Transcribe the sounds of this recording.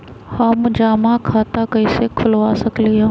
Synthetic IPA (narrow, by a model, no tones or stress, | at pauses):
hãːmʊd͡ʒaːmãkʰaːt̪akəisekʰʊlʋaːsɐklijãː